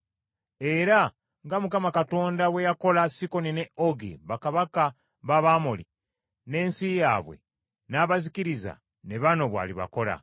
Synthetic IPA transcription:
e̞ɾa | ŋɡamukamakato̞ːndawe̞jako̞lasiko̞nine̞oɡḛβakaβaka | βaβamoli | ne̞ːnsijaβwe̞̰ | naːβaziciɾiza̰ | ne̞βano̞βwa̰ːliβa̰ko̞la̰

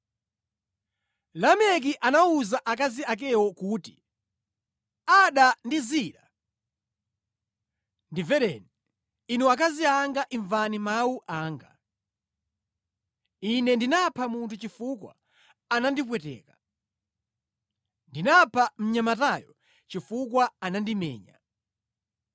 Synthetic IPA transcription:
lamɛk̬iʔanauzaʔak̬aziak̬ɛwɔkuːti̥ | aɗandiziɗa | ndivɛɾɛ̰ni | inuak̬aziaŋɡaʔiɱvanimawuʔaːŋɡa | inɛndinapʰamuntʰut͡ʃifukwa̰ | anandip̬wɛtɛ̰ːka | ndinapʰam̩ɲamatajɔ | t͡ʃifukwaanandimɛ̰ːɲa̰

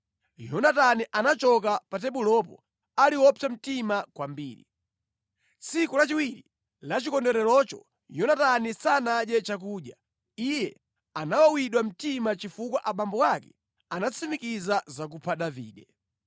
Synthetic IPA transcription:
jɔnataniʔanat͡ʃɔk̬apat̬ɛɓulɔpɔ̰ | aliwɔpʰam̩timakwambḭːɾḭ | t͡sʰikulat͡ʃiwiɾi | lat͡ʃikɔndɛɾɛlɔt͡ʃɔ̰ | jɔnatanisanaɗjɛt͡ʃak̬uːɗja | ijɛ | anawawiɗwam̩timat͡ʃifukwaʔaɓambɔwakɛ | anat͡sʰimikizazak̬upʰaɗavḭːɗɛ

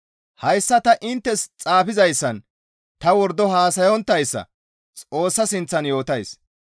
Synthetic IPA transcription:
hɐjsːɐt̪ɐʔɪnt̪ːɛst͡sʼaːfɪzɐjsːɐn | t̪ɐwɔɾd̪ɔɦaːsɐjɔnt̪ːɐjsːɐ̰ | t͡sʼo̞ːsːɐsɪnt͡sːɐnjo̞ːt̪ɐjs

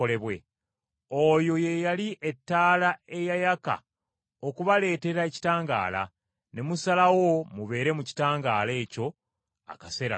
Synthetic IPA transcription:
ole̞βwe̞̰ | ojo̞je̞jaliʔe̞tːaːlae̞jajaka̰ | okuβale̞ːte̞ɾaeci̥taːŋɡa̰ːla̰ | ne̞musalawo̞muβe̞ːɾe̞muci̥taːŋɡaːle̞ːco̞ | a̰kase̞ɾa̰

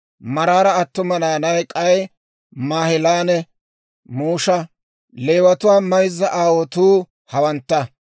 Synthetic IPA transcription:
mɐɾaːɾɐːt̪ːʊmɐnaːnɐjkʼɐj | maːhɪlaːnɛ | muːʃɐ | leːwɐt̪ʊwaːmɐjzːɐʔaːwɔt̪uː | hɐwɐnt̪ːɐ

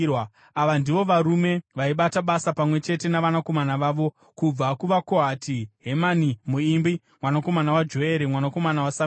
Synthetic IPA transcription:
aʋandiʋo̞ʋaɾume̞ʋaiɓataɓasapamwe̞t͡ʃe̞te̞naʋanako̞manaʋaːʋo̞ | kub͡vakuʋako̞ɦatiɦe̞manimuimbi | mwanako̞manawad͡ʒo̞eɾemwanako̞manawasam

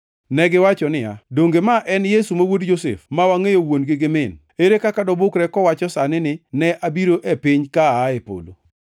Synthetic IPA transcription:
nɛɡɪwat͡ʃɔnɪja̰doŋɡemaʔɛnjesumawodd͡ʒosḛfmawaŋejowonɡɪɡɪmɪn | eɾekakadɔbʊkɾɛkɔwat͡ʃɔsanɪnɪnɛʔabiɾoʔepɪɲkaaːepo̰lo̰

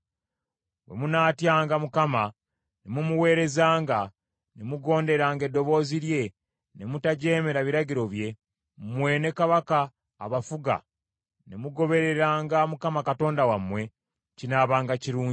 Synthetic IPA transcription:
we̞̰munaːtjaːŋɡamukama | nemumuwe̞ːɾe̞zaːŋɡa | nemuɡo̞ːnde̞ɾaːŋɡe̞dːo̞βo̞ːziɾje̞ | nemutaɟe̞ːme̞ɾaβiɾaɟiɾo̞βje̞ | mwe̞ne̞kaβaka̰ː | βafuɡa̰ | nemuɡo̞βe̞ɾe̞ɾaːŋɡamukamakato̞ːndawamwe̞ | cinaːβaːŋɡaciɾuːɲi

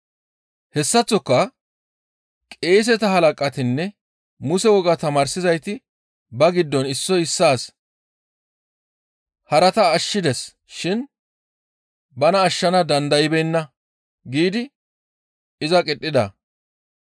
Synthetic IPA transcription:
hɛsːɐt͡sːɔkːɐ | kʼe̞ːs̬ɛt̪ɐhɐlɐkʼɐt̪ɪnːɛ | mʊsɛwɔɡɐt̪ɐmaːɾsɪzɐjt̪ɪ | bɐɡɪd̪ːɔnɪsːɔɪsːaːs | hɐɾɐt̪ɐːʃːɪd̪ɛs | ʃɪn | bɐnɐːʃːɐnɐd̪ɐnd̪ɐjɪbɛnːɐ | ɡiːd̪ɪ | ɪzɐkʼɪtʼːɪd̪ɐ

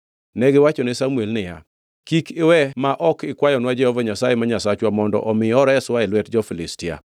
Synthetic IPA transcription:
nɛɡɪwat͡ʃɔnɪsamuɛlnɪja̰ | kikʰɪwɛmaʔɔkɪkwajɔnwad͡ʒɛhɔvaɲasajemaɲasat͡ʃwamɔndɔ̰ʔɔmɪɔɾɔɛswaelwɛtd͡ʒɔfilɪstɪa̰

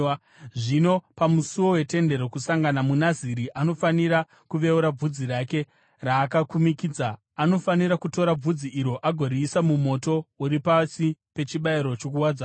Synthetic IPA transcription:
ʐino̞pamusuwo̞we̞te̞nde̞ɾo̞kusaŋɡanamunaziɾiʔano̞faniɾa | kuʋe̞uɾab͡vud͡ziɾake̞ | raːkakumikid͡zaː | no̞faniɾakuto̞ɾab͡vud͡ziʔiɾo̞ʔaɡʱo̞ɾiːsamumo̞to̞uɾipasipe̞t͡ʃiɓaiɾo̞t͡ʃo̞kuwad͡za

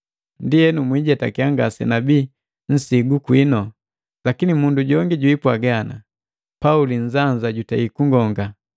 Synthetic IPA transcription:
ndiɛnumwiɟɛta̰kiaŋɡa̰sɛ̰nabiː | n̩siɡukwinɔ | lakinimunduɟɔŋɡiɟuipwaɡana̰ | pauliɲ̩zaɲzaɟutaikuŋɡɔŋɡa

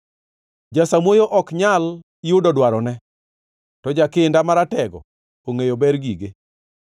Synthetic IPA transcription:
d͡ʒasamwojoʔɔkɲal | ɪʊdɔdwaɾɔnɛ | tɔd͡ʒakɪndamaɾatɛɡɔ̰ | oŋejobɛɾɡiɡe

